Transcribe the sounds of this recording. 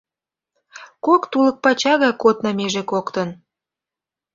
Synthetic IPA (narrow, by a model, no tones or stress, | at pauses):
kokt̪ulək̚pɑt͡ɕɑɣɑkot̪nɑmeʒekokt̪ə̆n